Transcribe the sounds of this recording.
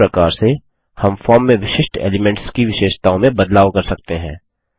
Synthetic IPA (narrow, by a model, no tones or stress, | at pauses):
ɾɐkaːɾse | hɐmfɔːɾmːẽʋɪʃɪʃʈḛːlɪmɛ̃ɳʈskiʋɪʃeːʃt̪aːõmẽbɐd̪laːʋkɐɾsɐk̚t̪eɦɛ̃ː